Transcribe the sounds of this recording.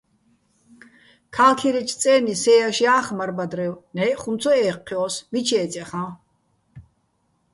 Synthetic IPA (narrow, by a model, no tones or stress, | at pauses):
kʰaːlkʰiɾɛt͡ʃ̪ʰt͡sʼɛːnisɛjaʃiaːχmaɾbad̪rɛwnɛjχunt͡sʰɔɛːqʰːiɔsmit͡ʃʰɛːt͡sʼɛχã